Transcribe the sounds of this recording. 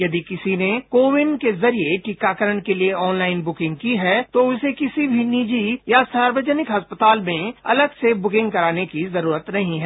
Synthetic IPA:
jɐd̪ikɪsinekoːʋɪnɖkezɐɾieʈikakəɾəɳkelieɔːnlaːɪnbʊkɪ̃ŋɡ̚kiɦɛːt̪oʊsekɪsibʱinid͡ʒijasaːɾʋəd͡ʒənɪkɦɐspət̪aːlmẽɐ̰ləɡsebʊkɪ̃ŋɡkɐɾaːnekizɐɾuːɾət̪nɐɦĩɦɛː

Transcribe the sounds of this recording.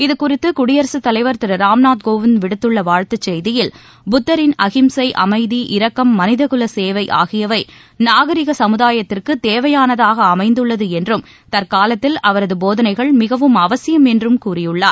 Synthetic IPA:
ɪðɯkʊrɪt̪ːɯkʊɽɪjɐɾsɯt̪ːɐlɐɪʋɐɾt̪ɪɾɐɾaːmnaːt̪̚ɡoːʋɪnʋɪɽɯt̪ːɯɭːɐʋaːɻt̪ɐt͡ʃːɛjðɪjɪl | bʊt̪ːɐɾɪnɐɣɪmsɐɪʔɐ̰mɐɪðiʔɪɾɐkːɐmːɐnɪðɐɣɯlɐseːʋɐɪʔa̰ːɣɪjɐʋɐɪ | naːɣɐɾɪɣɐsɐmɯðaːjɐt̪ːɪrkɯt̪eːʋɐjaːnɐðaːɣɐːmɐɪnd̪ɯɭːɐðɯɛndrɯm | t̪ɐɾkaːlɐt̪ːɪlɐʋɐɾɐðɯboːðɐnɐɪɣɐɭmɪɣɐʋɯmɐʋɐsɪjɐmɛndrɯmkuːrɪjɯɭːaːɾ

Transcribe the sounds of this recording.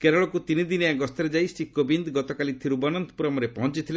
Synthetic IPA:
keɾɔɭɔkut̪inid̪ineaɡɔst̪ɔɾed͡ʒajsʈikːɔbind̪ɡɔt̪ɔkalit̪ʰiɾubɔnɔnt̪ɔpuɾɔmɔɾepɔɦɔnt͡ʃit̪ʰile

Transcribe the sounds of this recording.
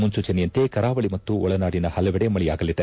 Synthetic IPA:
munsuːt͡ʃɐnɛjɐnt̪e̞kɐɾaːʋɐɭimɐt̪ːuɔɭɐnaːɽinɐhɐlɐʋɛɽemɐɭija̰ːɡɐlid̪e

